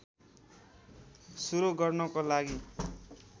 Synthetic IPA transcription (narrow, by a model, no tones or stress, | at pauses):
suɾoɡʌrnʌkolaɡi